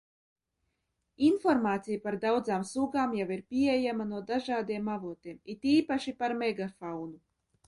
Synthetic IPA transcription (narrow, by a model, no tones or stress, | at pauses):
infɔɾmaːt̪sijapaɾd̪awd̪zaːmsuɡaːmjawiɾpʲiɛjamanuɔd̪aʒaːd̪iɛmavuɔt̪iɛmit̪iːpaʃipaɾmeɡafawnu